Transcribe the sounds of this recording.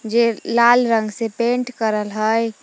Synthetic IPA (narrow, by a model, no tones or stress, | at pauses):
d͡ʒelalɾəŋɡsepẽɳʈkəɾəlɦəj